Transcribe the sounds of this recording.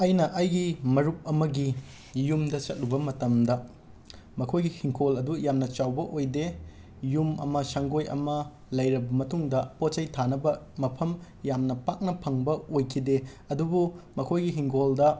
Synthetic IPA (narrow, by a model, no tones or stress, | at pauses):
ɐjnɐʔɐjɡimɐɾup̚ɐmɐɡi | jumdɐt͡ʃɐt̚lubɐmɐtɐmdɐ | mɐkʰojɡihiŋkʰolɐdujamnɐt͡ʃawbɐʔojde | jumɐ̰mɐsaŋɡojɐ̰mɐ | lɐjɾɐbɐmɐtuŋdɐpot̚t͡ʃɐjtʰanɐbɐ | mɐpʰɐm | jamnɐpak̚nɐpʰɐŋbɐojkʰide | ɐdubumɐkʰojɡiɦiŋkʰoldɐ